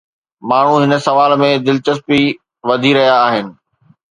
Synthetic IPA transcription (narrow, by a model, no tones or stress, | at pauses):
maːɳ̤ũɦɪnə̆sɐʋaːlmẽd̪ɪlt͡ɕəspi | ʋɐd̪ʱiɾɐɦijaːɦɪnɪ̆